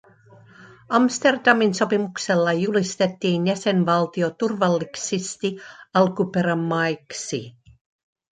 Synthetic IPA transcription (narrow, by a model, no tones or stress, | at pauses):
ɑmst̪e̞rd̪̥ɑminso̞pimukse̞lːɑjulist̪e̞t̪ːiːnjæse̞nʋɑlt̪io̞t̪urʋɑlːiksist̪iɑlkupe̞ɾæmːɑjksḭ